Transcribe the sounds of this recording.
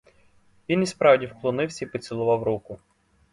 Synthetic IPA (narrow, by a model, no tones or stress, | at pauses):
ʋʲinispɾɑwdʲiwklˠɔnɪwsʲɐipɔt͡sʲilˠʊʋɑwɾukʊ